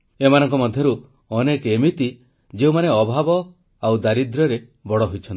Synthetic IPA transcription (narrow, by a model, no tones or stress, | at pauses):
emanɔŋkɔmɔd̪ʱjɔɾu | ɔnekemit̪i | d͡ʒeumaneɔbʱabɔ | awd̪aɾid̪ɾɔɾe | bɔɽɔɦojt͡ʃʰɔnt̪i̥